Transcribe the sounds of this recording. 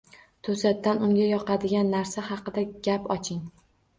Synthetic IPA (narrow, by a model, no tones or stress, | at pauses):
t̪ʰɵsat̪ːanʊŋɡʲajɒqʰɑd̪ɪɡʲanːaɾsaɦɑqɨd̪aɡʲapɒt͡ʃʰɪŋ